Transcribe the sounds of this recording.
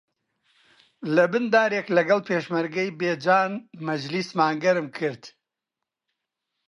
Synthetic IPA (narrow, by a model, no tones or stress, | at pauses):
lɐbɨnd̪aːɾeːklɐɡɐlpʰeːʃmɐɾɡɐjbeːd͡ʒaːnmɐd͡ʒlismaːŋɡɐɾɨmkʰɨɾt̪